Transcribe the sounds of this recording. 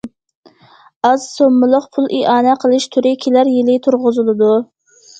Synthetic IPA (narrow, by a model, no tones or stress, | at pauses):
ɑzsomːɨlˠəqpʰulˠiʔɑːnɛqʰəlˠɨʃt̪ʰyɾɪkʲʰilæɾjɪlɪt̪ʰʊɾʁʊzɨlˠɨd̪u